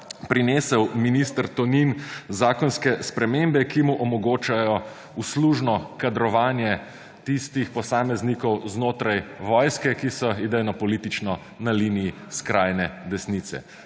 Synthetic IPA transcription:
pɾineːsɛwminist̪ɾt̪ɔninzaːkɔnskɛspɾɛmembɛkimuʔɔmɔɡoːt͡ʃajɔ | usluːʒnɔkad̪ɾɔʋaːnjɛ | t̪ist̪ixpɔsaːmɛznikɔwznoːt̪ɾajʋɔːjskɛkisɔid̪ɛjnɔpɔliːt̪it͡ʃnɔ | nalinijiskɾaːjnɛd̪ɛsnit̪sɛ̰

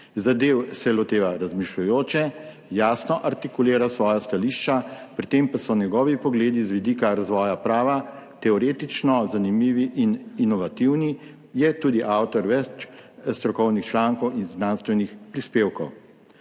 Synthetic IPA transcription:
zad̪eːwsɛlot̪eːʋaɾazmiʃlujoːt͡ʃɛ | jaːsnɔʔaɾt̪ikuleːɾasʋɔːjast̪aliːʃt͡ʃapɾit̪empasɔnɛɡɔʋipɔɡleːd̪izʋid̪iːkaɾazʋɔːjapɾaːʋa | t̪ɛɔɾeːt̪it͡ʃnɔzanimiːʋiʔininɔʋat̪iwni | jɛt̪uːd̪iʔawt̪ɔɾʋɛt͡ʃst̪ɾɔkɔwnixt͡ʃlaːŋkɔwinznanst̪ʋɛnixpɾispeːwkɔw

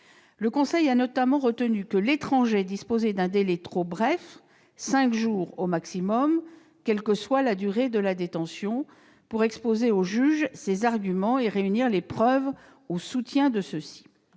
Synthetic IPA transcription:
ləkɔ̃sɛjanɔt̪amɑ̃ʁət̪ənykəlet̪χɑ̃ʒed̪ispozɛd̪ɛ̃d̪elɛt̪χobʁɛf | sɛ̃kʒuːʁomaksimɔm | kʲɛlkəswalad̪yʁed̪əlad̪et̪ɑ̃sjɔ̃ | puʁɛkspozeoʒyʒsezaʁɡʲymɑ̃eʁeyniʁlepχœv | osut̪jɛ̃d̪əsəsi̥

